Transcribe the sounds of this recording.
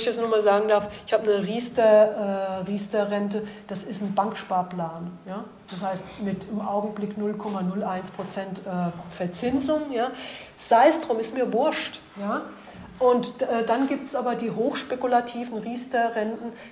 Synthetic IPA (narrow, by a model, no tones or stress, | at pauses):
ɪçd̥asnɔχmaːlzaːɡŋ̩daɐfɪçhaːbənəʁiːstɐʔɛːʁiːstɐʁɛntəd̥asɪstn̩baŋkʃpaːɐplaːnjaː | d̥ashaɪstmɪtɪmʔa̰ʊɡŋ̩blɪknʊlkʰɔmanʊlʔaɪnspʁ̥ot͡sɛntʔɛːfɛɐt͡sɪnzʊŋjaːz̥aɪsdʁ̥ʊmɪstmiːɐvʊɐʃt | jaː | ʔʊntɛːdanɡiːp̚tsʔaːbɐdiːɦoːxʃpekulatʰiːvn̩ʁiːstɐʁɛntn̩